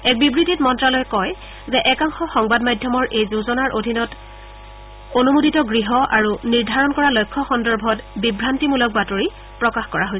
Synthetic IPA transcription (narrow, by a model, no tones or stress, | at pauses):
ɛk̚bibɹititmɔntɹalɔjkɔj | zɛʔɛkaŋxɔxɔŋbadmajdʱjɔmɔɹʔejzuzɔnaɹʔodʱinɔt | onumutitɔɡɹiɦɔʔaɹuniɹdʱaɹɔnkɔɹalojkʰːɔxɔndɔɹbʱɔtbibʱɹantimulɔk̚batoɹi | pɹɔkaxkɔɹaɦojsɛ